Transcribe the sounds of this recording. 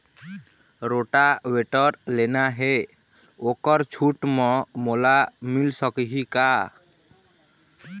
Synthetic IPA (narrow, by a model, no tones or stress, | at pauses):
ɾoʈaweʈɔɾlenaɦe | okɔɾt͡ʃʰuʈmɔ̃molamilsɔkiɦika